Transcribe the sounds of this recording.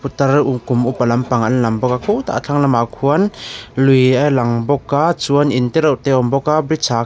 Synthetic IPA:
put̪ɐɾukumʔupɐlɐmpaŋɐnlɐmbɔkakʰuwt̪a̰ʔt͡ɬʰaŋlamakʰuənlujalɐŋbɔkːat͡suɐnint̪ɛɾɔʔt̪ɛʔɔmbɔkabɾisaː

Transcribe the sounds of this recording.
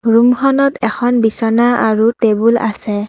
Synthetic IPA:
ɹumxʰɔnɔtʰɛxʰɔnbisɔnaʔaɹutebula̰sɛ

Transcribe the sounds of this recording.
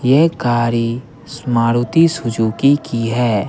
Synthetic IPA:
jekaːɾi | smaːɾʊt̪isʊd͡ʒuːkikiɦɛː

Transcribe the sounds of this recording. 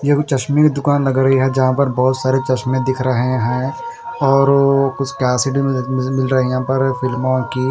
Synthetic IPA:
jekt͡ʃɐʃmikd̪ʊkaːnlɐɡɾɐɦiɦɛd͡ʒɐɦãpɐɾbɔːʊt̪saːɾet͡ʃɐʃmẽd̪ɪkʰɾɐɦɦẽɦɛ̃ | ɔːɾkʊt͡ʃʰkaːsɪʈ̬imɪlɾɐɦiãpɐɾfɪlmõki

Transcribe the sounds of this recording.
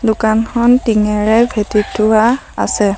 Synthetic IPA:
dʊkankʰɔntiŋɛɹɛbʱetitʰːʊwa | a̰sɛ

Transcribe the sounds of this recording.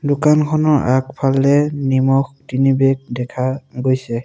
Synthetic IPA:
dʊkankʰɔnɔʔak̚pʰalːɛnimɔxtinibɛk̚dɛkʰaɡojsɛ

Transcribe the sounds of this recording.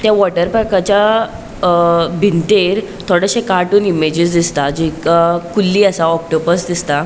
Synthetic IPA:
t̪jaʋɔʈəɾpɾakat͡ɕja | bʱint̪eɾ | t̪ʰoɽəɕekaʈuːnimed͡ʑisd̪ist̪ad͡ʑikakulːiːəsaɔk̚ʈobəɾsd̪ist̪a

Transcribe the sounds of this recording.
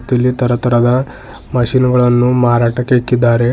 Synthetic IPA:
t̪jɐlːit̪ɐɾɐt̪ɐɾɐd̪ɐ | mɐʃinɐɡɐɭɐnːumaːɾaːʈɐkːeɐkːid̪ːaːɾe̞

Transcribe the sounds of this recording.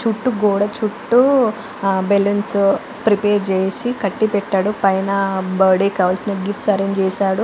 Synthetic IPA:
t͡ʃuʈːuɡoːɽɐt͡ʃuʈːu | beluns | pɾipeːɾd͡ʒeːjsikɐʈːipɛʈːaːɽupɐjnɐbɐːɾɖeːkaːʋɐlsinɐɡifʈsɐɾeɲd͡ʒd͡ʒɛːsaːɽu

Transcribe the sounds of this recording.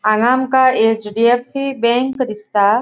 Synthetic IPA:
anaːmkaet͡ʃɖiefsibẽŋkɾɪst̪a

